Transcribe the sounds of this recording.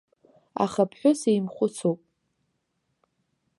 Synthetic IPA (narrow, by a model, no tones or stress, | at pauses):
a̰χapʰħʷᶣʊsejmχʷʊt͡sʰowpʼ